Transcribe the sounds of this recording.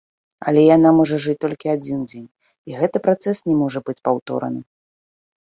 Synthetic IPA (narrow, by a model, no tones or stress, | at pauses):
ɐ̰lʲɛjanamɔʐɐʐɨt͡sʲt̪ɔlʲkʲiad͡zʲind͡zʲenʲ | iɣɛt̪ɨpɾat̪sɛsnʲɛmɔʐɐbɨt͡sʲpawt̪ɔ̰ɾɐ̰nɨ